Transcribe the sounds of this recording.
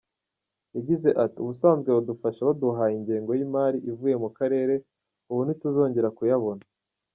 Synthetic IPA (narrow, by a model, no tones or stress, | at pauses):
jaɟize̞ʔatiuβusaːnzɡweβudufaʃaβaduɦaiɲɟeːŋɡo̞jimaːɾiʔivuje̞mukaɾe̞ːɾe̞ | uβunituzo̞ːɲɟe̞ɾakujaβo̞na